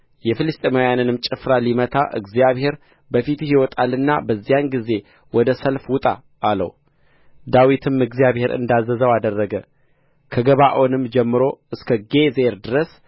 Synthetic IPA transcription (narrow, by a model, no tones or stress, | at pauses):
jɛfɨlɨst̪ʼemajanɨnɨmt͡ʃʼɨfɾalimət̪ʰa̰ʔɨ̰ɡzijaβhe̞ɾ | bəfit̪hiwɔt̪ʰʼalɨnːa̰bəzːijanɡize̞ | wɔd̪əsəlfwʊt̪ʼa̰ː | lə̰w | d̪awit̪ʰɨmɨɡzijaβhe̞ɾɨ̰nd̪azːəzəwad̪ərːəɡə | kʰəɡəβaʔo̞nɨmd͡ʒɛmːɨɾo̞ʔɨskʰəɡe̞zeɾd̪ɨɾəs